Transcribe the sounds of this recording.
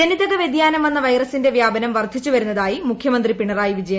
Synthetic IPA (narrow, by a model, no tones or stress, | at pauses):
eniðɐɣɐʋed̪jaːnɐme̞nːɐʋɐjrɐsinde̞ʋjaːbɐnɐmʋɐrd̪ʱit͡ɕːuʋɐɾunːɐðaːjimukʰjɐmɐnd̪ripiɳɐraːjiʋid͡ʑɐjɐ